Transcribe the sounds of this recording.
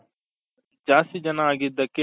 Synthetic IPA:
d͡ʒaːsid͡ʒɐnaɡid̪ɐke

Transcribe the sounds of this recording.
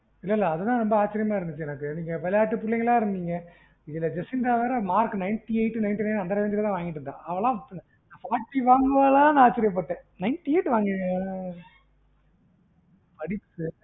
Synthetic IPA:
ɪlːɐlːɐːðɐt̪ãːɾɔmbɐaːt͡ʃːɐɾɪjɐmaːɪɾɯnd̪ɯt͡ʃːɯjɛnɐkːɯniːŋɡɐʋɐljaːʈːɯpʊɭːɛŋɡɐɭlãːɪɾɯnd̪iːŋɡɐ | ɪðɯlːɐd͡ʒɛsɪnd̪aːʋɐːɾɐmaːɾknɐɪnʈiɐɪʈːɯnɐɪnʈinɐɪnɐnd̪ɐɾɐʋɛːnd͡ʒ̪ɪɾɐt̪ãːʋaːŋɡɪʈːɯɾɯnd̪ã̰ːɐʋɐɭãːn | naːfaːɾʈːiʋaːŋɡɐʋɐlaãːnaːt͡ʃːɪɾɪjɐp̬ːɐʈːẽːnɐɪnʈieːʈːɯʋaːŋɡɪẽ | pɐɽɪtːɯ

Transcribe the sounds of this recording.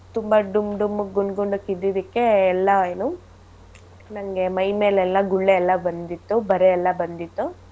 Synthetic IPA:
t̪umbɐɖumɖumːuɡuɳɖɡoɳɖukid̪ːid̪ikːe̞ːlːɐjnu | nɐŋɡe̞mɐjme̞ːlɛlːɐɡuɭːeɛlːɐbɐnd̪it̪ːubɐɾeɛlːɐbɐnd̪it̪ːu

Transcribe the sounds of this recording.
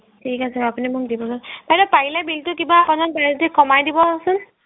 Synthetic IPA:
tʰikasɛapunimʊk̚dibɔsɔnpajɾɔpaɦilabiltʊkibaːpanakbajtɛkɔmajdibɔasʊn

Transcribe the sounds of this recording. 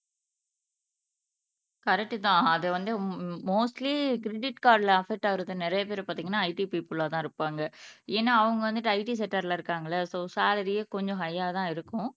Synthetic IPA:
kɐɾɛk̚ʈːɯt̪ãːɐðɛʋɐnd̪ɯmoːsʈlikɪɾɛɖɪʈkaːɾɖlɐɐfɛk̚ʈːaːɪɾɯðɯnɛɾɐjɐp̬eːɾpaːɾt̪iːŋɡɐnːaːɐɪʈipiːpɯlaːt̪ãːɪɾɯpːaːŋɡɐeːnːaːɐʋɐŋɡɐʋɐnd̪ɯʈːɐɪʈis̬ɛʈːɐɾlaːɪɾɯkːaːŋɡɐɭɐsoːsaːlɐɾijeːkɔɲd͡ʒɔ̃ɦɐjːaːt̪ãːɪɾɯkːʊ̃

